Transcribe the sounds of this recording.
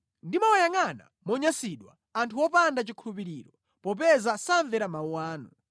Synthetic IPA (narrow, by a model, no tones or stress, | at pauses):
ndimawajaŋana̰mɔɲasiɗwa̰ | antʰuwɔpandat͡ʃikʰulup̬iɾiːɾɔ | pɔp̬ɛzasaɱvɛɾamauwaːnu